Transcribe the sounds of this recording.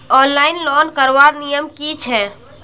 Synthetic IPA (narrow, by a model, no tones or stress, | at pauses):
ɔnlaɪnlɔnkəɾʋaɾnijəmkit͡ʃʰɛ